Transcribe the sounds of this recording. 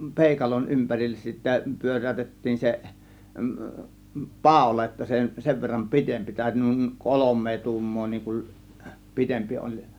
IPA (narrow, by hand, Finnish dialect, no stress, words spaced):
peˑikɑlon ympærilːes sitːæ pyør̆æˑytetːiːn se pɑˑo̝lɑ jotːɑ se seʋ ʋerːɑm pitempi tæˑø̝ty nuˑiŋ kolomˑeː tuːmːoː niːŋ kum pitempi olʲ